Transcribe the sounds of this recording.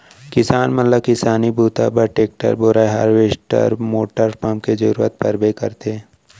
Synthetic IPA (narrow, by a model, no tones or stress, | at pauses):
kɪsaːnmɐt̪ləb̚kɪsaːnibʱuːt̪a̰bəɾʈeːk̚ʈə̰ɾboːɾaɦa̰ːɾʋeːsʈə̰ɾmoːʈəɾpʰaːmked͡ʒɐ̰ɾuːə̰t̪̚pɐ̰ɾbekɐɾt̪e